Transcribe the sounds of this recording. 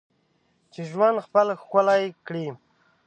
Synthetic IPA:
t͡ʃeʒwand̪xpəlxəlajkɽi

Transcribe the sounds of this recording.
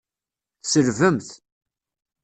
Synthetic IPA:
θsəɾvəmθ

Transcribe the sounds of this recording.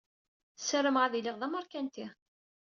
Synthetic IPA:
səɾəmʁaðiliʁðˤæməɾkænt̪i

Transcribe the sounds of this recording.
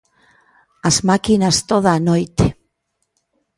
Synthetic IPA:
azmakinast̪oð̞aːnojt̪e

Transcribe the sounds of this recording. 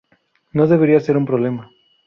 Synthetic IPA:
noðeβeɾiaseɾumpɾoβlema

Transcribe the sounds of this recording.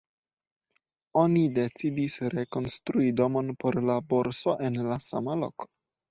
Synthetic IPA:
o̞nide̞t͡sidisɾe̞ko̞nstɾuido̞mo̞npo̞ɾlabo̞ɾso̞ʔe̞nlasa̰malo̞̰ko̥

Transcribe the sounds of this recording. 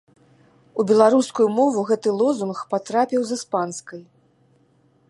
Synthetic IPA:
ubʲɛlˠaɾuskujumɔvuɣɛt̪ɨlˠɔzunxpat̪ɾapʲiwzɨspanskɐj

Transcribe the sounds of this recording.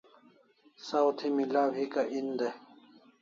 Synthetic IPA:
sawt̪ʰimilaːwɦikaʔind̪e

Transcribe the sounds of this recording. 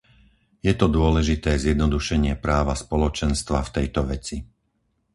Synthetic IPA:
jɛt̪ɔd̪ʊɔlɛʒit̪ɛːzjɛd̪nɔd̪uʃɛɲɪɛpɾaːʋaspɔlɔt͡ʃɛnst̪ʋaft̪ɛjt̪ɔʋɛt͡si

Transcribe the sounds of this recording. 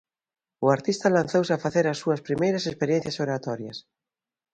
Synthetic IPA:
ʊaɾt̪ist̪ɐlan̟θowsɪafaθeɾɐsːuɐspɾimejɾɐsespeɾjẽn̟θjɐsoɾat̪ɔɾjɐ̰s

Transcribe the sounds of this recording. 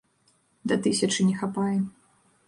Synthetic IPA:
d̪ɐt̪ɨsʲɐt͡ʂɨnʲɛxapajɛ

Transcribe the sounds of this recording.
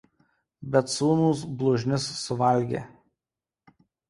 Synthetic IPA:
bʲɛt̪suːnuːs̬blˠʊʒʲnʲɪsːʊʋɐlʲɡʲḛː

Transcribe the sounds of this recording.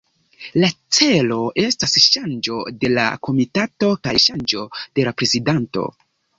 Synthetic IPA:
lat͡se̞lo̞ʔe̞stasʃand͡ʒo̞de̞la̰ko̞mitato̞kajʃand͡ʒo̞d̥e̞lapɾe̞zidanto̞̰

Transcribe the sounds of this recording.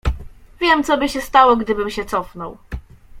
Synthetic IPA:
vʲjɛmt̪sɔbɘɕɛst̪awɔɡd̪ɘbɘmɕɛt̪sɔfnɔw

